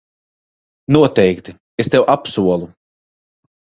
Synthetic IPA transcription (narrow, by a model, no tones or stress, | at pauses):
nuɔt̪ɛjkt̪i | est̪ewʔapsuɔlˠu